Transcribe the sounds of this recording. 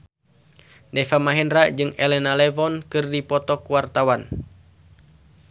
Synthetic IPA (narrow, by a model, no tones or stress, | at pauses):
dɛfamaɦɛndɾad͡ʒɨŋɛlɛnalɛvɔnkɨrdipɔt̪ɔkuwart̪awan